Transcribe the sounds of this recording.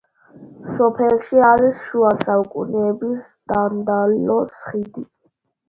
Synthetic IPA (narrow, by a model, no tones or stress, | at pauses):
sɔpʰɛlʃiaɾisʃuasaukʼṵnɛːbis | d̪and̪alɔsχid̪i